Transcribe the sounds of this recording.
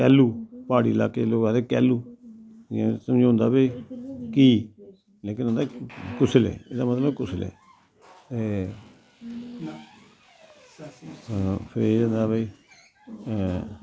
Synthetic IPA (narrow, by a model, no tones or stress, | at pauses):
kɛːlːuːpaːɽḭːla̰ːkeːloːɡãːd̪eːkɛːluː | ãsəmd͡ʒõːnd̪aːbeikiː | leːkɪnod̪eːkʊsəlɛ̰ːeːd̪aːmət̪ləbkʊsəlɛ̰ː | t̪eː | pʰɪɾeːd͡ʒãːnd̪aːbaiː